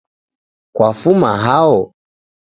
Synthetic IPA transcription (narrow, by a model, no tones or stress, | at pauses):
kwafumaɦaɔ